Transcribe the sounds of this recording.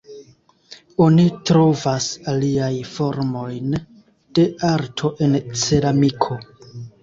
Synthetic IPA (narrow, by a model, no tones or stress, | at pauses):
onitɾo̞vasaliajfo̞ɾmo̞jn | d̥e̞aɾtʰo̞ʔe̞nt͡se̞ɾamikʰo̞